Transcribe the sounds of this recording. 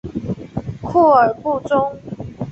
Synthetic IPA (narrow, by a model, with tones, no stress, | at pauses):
kʰu˥˩ə˨˩pu˥˨t͡sʊ˦ŋ